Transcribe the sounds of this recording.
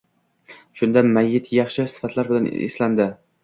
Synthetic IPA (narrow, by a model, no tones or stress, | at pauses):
ʃʊnd̪amajːɪt̪ʰjɑχʃɪsɪ̥fat̪ʰlaɾbɪlanḛsland̪ɪ